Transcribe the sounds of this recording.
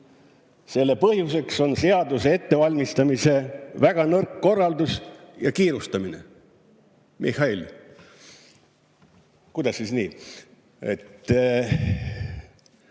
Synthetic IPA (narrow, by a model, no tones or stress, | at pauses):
se̞lːe̞pɤhjuse̞kso̞nse̞ɑd̪usee̞t̪ːe̞vɑlʲmist̪ɑmise̞væɡ̥ɑnɤrkːo̞rːɑld̪usjɑ̰kiːɾust̪ɑminḛ | mʔihɑil | kud̪̥ɑsʲːisniː | e̞̰t̪ː